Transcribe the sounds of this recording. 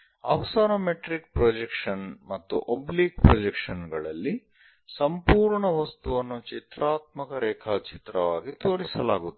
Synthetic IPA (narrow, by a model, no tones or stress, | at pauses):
ɐ̰ʋɐsaːɾɐmeʈɾik̚pɾod͡ʒekʂɐnmɐt̪ːṵʔobliːk̚pɾod͡ʒekʂɐnɡɐɭɐlːi | sɐmpuːɾɳɐʋɐst̪uʋɐnːut͡ʃit̪ɾaːt̪̚mɐkɐɾɛːkʰaːt͡ʃit̪ɾɐʋaːɡit̪oːɽisɐla̰ːɡut̪ːe